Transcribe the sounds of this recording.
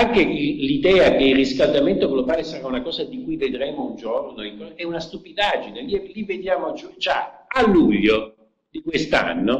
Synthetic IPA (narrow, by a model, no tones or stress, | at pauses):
aŋkelid̪ɛːakeilriskald̪ament̪oɡlobaːlesaɾaunakɔːzad̪ikujved̪ɾeːmound͡ʒornoiŋkɔɛunast̪upid̪aːd͡ʒineliɛlivːed̪jaːmot͡ʃd͡ʒaalːuʎːo | d̪ikwest̪a̰nːo